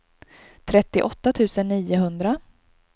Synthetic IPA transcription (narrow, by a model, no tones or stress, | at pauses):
t̪ʰɾɛt̪ːɪʔɔt̪ːat̪ʰʉ̟ːsənːiːʊɦɵnd̪ɾa